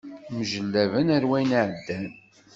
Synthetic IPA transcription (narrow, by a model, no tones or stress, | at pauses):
mʒəlːævənæɾwæjnʕəd̪ːæn